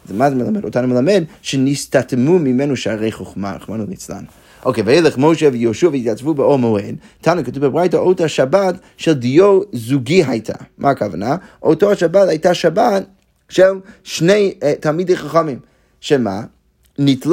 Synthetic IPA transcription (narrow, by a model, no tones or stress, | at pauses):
zmazmɛlˠamɛdo̰tanumelˠamɛdʃɛnistatmumimɛnuʃaʁejχoχma̰a̰χmanulˠit͡sla̰n | oʊkeveɪlɛχmoʃɛvjoʃuavitjat͡svubəomoed | tʰanukatuvbəbʁajtaotaʃabat | ʃɛlˠdijozuɡiɦajtʰa̰mʔakavanaʔotoaʃabathajtaʃabat | ʃɛlˠʃneɪtʰalˠmideχaχɔmim | ʃɛma | nitl